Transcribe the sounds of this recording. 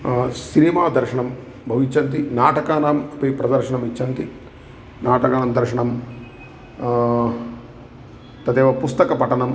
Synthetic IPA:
sinimaːd̪ɐɾʃɐɳɐm | bʱɐʋit͡ʃːɐnt̪inaːʈɐkaːnaːmɐpipɾɐd̪ɐɾʃɐɳɐmit͡ʃːɐnt̪i | naːʈɐkaːnaːmd̪ɐɾʂɐɳɐm | t̪ɐt̪eːʋɐpust̪ɐkɐpɐʈɐnɐm

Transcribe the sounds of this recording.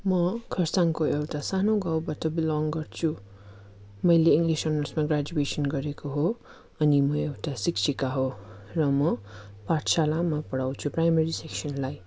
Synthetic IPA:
mʌkʰʌrsaŋkoewʈasanoɡawbʌt̪ʌbilɔŋɡʌrt͡sʰu | mʌjleiŋɡlisʌnʌrsmaɡrad͡zuwesʌnɡʌɾekoɦo | ʌnimʌewʈasiksʰikaɦorʌmʌpaʈʰsalamapʌɽawt͡sʰuprajmeɾiseksʌnlaj

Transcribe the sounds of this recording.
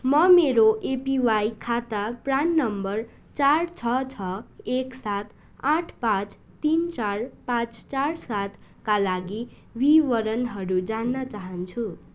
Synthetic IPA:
mʌmeɾoʔepiwajkʰat̪apranːʌmbʌr | t͡sart͡sʰʌt͡sʰʌeksat̪ʰ | ãʈʰpãt͡s | t̪int͡sarpãt͡st͡sarsat̪ʰkalaɡi | wiwʌɾʌnɦʌɾud͡zanːʌt͡saɦʌnt͡sʰu

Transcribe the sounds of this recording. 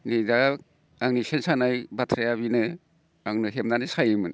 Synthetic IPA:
nida | aŋnisensanajbatʰɾejaβinɯ | aŋnɯɦemdanɯsajɯmɯn

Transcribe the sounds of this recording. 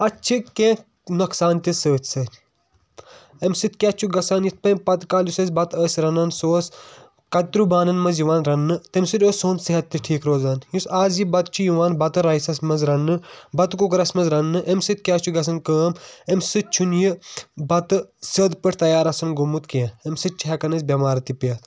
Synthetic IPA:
ɐt͡ʃʰikẽ | nɐksaːnt̪ʲisəːt̪ʰsɐ | emsɨt̪̚ʰkʲaːt͡ʃʰuɡɐsaːnjit̪̚ʰpɐmpɐt̪kaːljusɐsbɐt̪əːsɾɐnɐnsoːs | kɐt̪ɾubaːnɐnmɐzjuʋaːnɾɐnːɨt̪emsiɾʲoːsoːnsiɦɐt̪ːɨʈʰiːkɾoːzaːnjusaːzjibɐt̪t͡ʃʰujuʋaːnbɐt̪ɨɾɐisɐsmɐzɾɐnːɨbɐt̪kukɾɐsmɐzɾɐnːɨʔemsɨt̪̚kʲjaːt͡ʃʰuɡɐs̬ɐnkəːmemsɨt͡ʃʰunjibɐt̪ɨsɐd̪pɨʈt̪ɐjaːɾɐsɐnɡomut̪kiãemsɨt̪̚t͡ʃʰiɦɐkɐnɐsʲbʲɐmaːɾt̪ipjɐt̪ʰ

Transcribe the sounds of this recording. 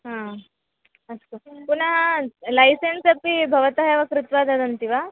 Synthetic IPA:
ɦã | əskopuɳaɦalajsensɐpibʱəʋət̪aɦjaʋakɾut̪ʋad̪ad̪ənt̪iʋa

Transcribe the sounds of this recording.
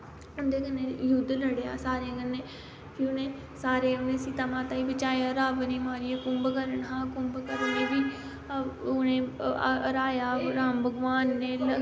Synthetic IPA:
ʊnd̪eːkənːeːjʊd̪ləɽea̰ːsaːɾeːkənːeː | kiːʊnẽː | saːɾeːʊnẽːsiːt̪əmãːt̪ãːiːbət͡ʃaːjaːɾaːʋniːmaːɾieːkʊmbkəɾəɳɦãːkʊmbkəɾəɳd͡ʒebiː | ʊnẽːɾaːjaːɾaːmbəɡʋaːnːeː

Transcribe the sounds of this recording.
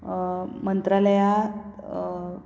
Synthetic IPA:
mənt̪ɾaləja

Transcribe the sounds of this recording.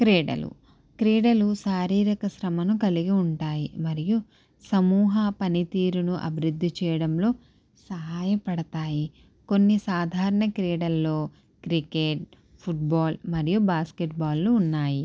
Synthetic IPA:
kɾeːɽɐ̰lṵ | kɾeːɽɐlusaːɾiːɾɐkɐʃɾɐmɐnukɐliɡiuɳʈaːjimɐɾiju | sɐmuːɦɐpɐnit̪iːɾunuʔɐ̰bʱiɾud̪ʱːit͡ʃɛːjɐɽɐmlo̞ː | sɐɦaːjɐpɐɽɐt̪aːji | ko̞nːisaːd̪ʱaːɾɐɳɐkɾɛːɽɐlːo̞ː | kɾikeʈ̚ | pʰuʈ̚baːlmɐɾijubaːskeʈ̚baːlːuːnːaːji

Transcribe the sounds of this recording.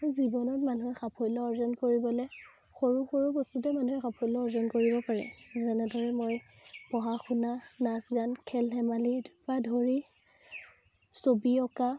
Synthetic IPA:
ɹuzibɔnɔtmanuɛxapʰɔjlɔɔɹzɔnkoɹibɔlɛ | xoɹuxoɹubɔstutɛmanuɛxapʰɔjlɔɔɹzɔnkoɹibɔpaɹɛ̰zɛnɛdʱɔɹɛmoj | pɔɦaxunanasɡankʰɛlɦɛmalidupadʱoɹi | sobiɔka

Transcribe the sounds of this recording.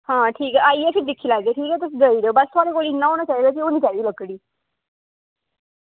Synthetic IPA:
hãːʈʰiːkɛːaːieəsɪd̪ɪkʰːiːlaːɡ̪eːʈʰiːkɦɛːt̪ʊsɡəiːɾeoːbəst̪ʰʊaːɽeːkoːlinːãːɦoːñaːt͡ʃaːiːd̪aːk̬ioːniːt͡ʃaːiːd̪iːləɡːɽiː

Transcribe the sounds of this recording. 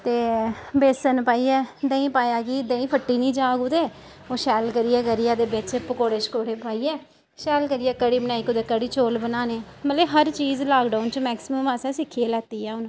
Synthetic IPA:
t̪eːbeːsənpaːiːɛːd̪ẽːĩːpaːjaːɡiːd̪ẽːĩːpʰəʈːiːnĩːd͡ʒaːkʊd̪eː | oːʃɛːlkəɾiːɛːɡəɾɪjaːd̪eːbɪt͡ʃpəkoːɽeːt͡ʃkoːɽeːpaːiːɛː | ʃɛːlkəɾɪjɛːkəɽiːbənaːiːkʊd̪eːkəɽiːt͡ʃoːlbənaːneː | mət̪leːɦəɾt͡ʃiːzlaːkɖaːʊnt͡ʃmɛːksɪməmaːsãːsɪkʰːieːlɛːt̪iːjaːʊnː

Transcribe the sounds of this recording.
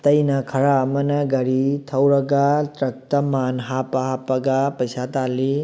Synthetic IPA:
t̪ɐjnɐkʰɐɾamɐnɐɡɐɾit̪ʰɐwɾɐɡat̪ɾɐk̚t̪ɐmanɦapɐɦapɐɡapɐjsat̪ali

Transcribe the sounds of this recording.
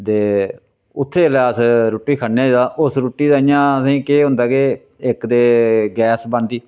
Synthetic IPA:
t̪eː | ʊt̪ʰːeːlaːsɾuːʈːiːkʰənːeãːd̪aːʔʊsɾuːʈːiːd̪aːɪjãːsĩːkeːɦʊ̃nd̪aːɡeː | ɪkd̪eːɡɛːsbə̃nd̪iː

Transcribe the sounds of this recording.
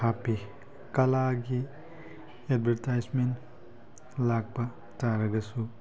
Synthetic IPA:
api | kɐlaɡi | edbʱeɾtajzmen | laɡ̚pɐ | taɾɐɡɐsu

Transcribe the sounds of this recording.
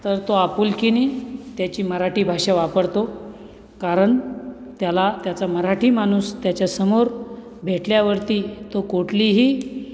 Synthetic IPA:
t̪əɾt̪oapuːlkinit̪jat͡ɕiːməɾaʈiːbʱaʂaʋapəɽt̪o | kaɾəɳt̪jalat̪jat͡saməɾaʈʰiːmañuːst̪jat͡ɕjasəmoɾ | bʱeʈljaʋəɾt̪iːt̪okoʈliːɦiː

